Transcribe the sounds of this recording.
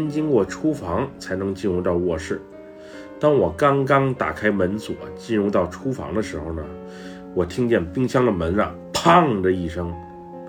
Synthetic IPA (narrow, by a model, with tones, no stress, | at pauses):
nt͡ɕi˥ŋkwɔ˥˩ʈ͡ʂʰu˥fɑ˧˥ŋt͡sʰa˧˥ɪnɤ˧˥ŋt͡ɕi˥˧nɻu˥˧t̪ɑ˥˧ʊwɔ˥˩ʂɻ̩˥˩ | t̪ɑ˥ŋwɔ˨˩kɑ˥ŋkɑ˥ŋt̪a̰˨˩kʰa˥ɪmə˧˥nt͡swɔ̰˨˩˦t͡ɕi˥˧nɻu˥˧t̪ɑ˥˩ʊʈ͡ʂʰu˥fɑ̰˧˥ŋd̪ə˧ʂɻ̩˧˥xo˧˩ʊnə˩ | wɔ˨˩t̪ʰi˥ŋt͡ɕjɛ˥˩npi˥ŋɕjɑ˥ŋd̪ə˨mə˧˥nɻə̰˨˩ | pʰɑ˥˩ŋdə˨i˥˩ʂɤ˥ŋ